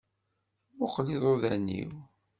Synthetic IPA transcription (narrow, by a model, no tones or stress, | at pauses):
moqliðˤoðænːḭw